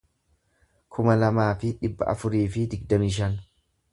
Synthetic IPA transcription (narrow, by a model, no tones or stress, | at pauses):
kʰʊmɐlɐmaːfɪᶑɪbːɐ̰ʔɐ̰fʊɾiːfɪd̪ɪɡd̪ɐmɪʃ̬ɐn